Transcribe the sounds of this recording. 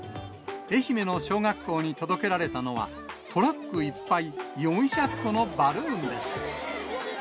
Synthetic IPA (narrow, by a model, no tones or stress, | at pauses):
e̞çime̞no̞ɕo̞ːɡakːo̞ːɲ̟it̪o̞d̪o̞ke̞ɾaɾe̞t̪ano̞βa̰ | t̪ʰo̞ɾakːɯ̟ipːaijõ̞ɰ̃çakːo̞no̞baɾɯ̟̃ːnd̪e̞sɨ̥